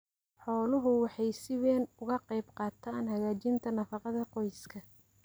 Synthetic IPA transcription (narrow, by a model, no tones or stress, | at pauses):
ħɔːlʊɦʊwɑħɑjsɪβɛːnʊɣɐqɑjbqɑːt̪ʰaːnhɐɣaːt͡ʃɪnt̪ʰɐnɐfɑqɑðɐqɔjskʰɐ